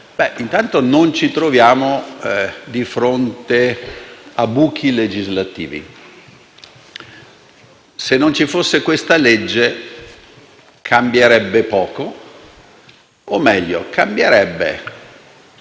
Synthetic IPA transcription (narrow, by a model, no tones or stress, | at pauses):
bɛʔint̪ant̪onont͡ʃit̪ɾovjaːmo | d̪ifɾont̪e | abuːk̟ʰiled͡ʒizlat̪ḭːvḭ | senːont͡ʃifosːekwest̪aled͡ʒːe | kʰambjeɾɛbːepɔːko | omːɛʎːo̰kambjeɾɛbːḛ